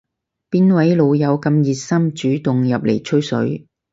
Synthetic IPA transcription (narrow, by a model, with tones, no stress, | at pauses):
piː˥nwɐ˨˥jlo˨˧wjɐ˨˧wkɐ˧mjiː˨t̚sɐ˥mt͡ʃyː˨˥t̪ʊ˨ŋjɐ˨p̚lḛ˨˩jt͡ʃʰɵ˥ɥsɵ̰˨˥ɥ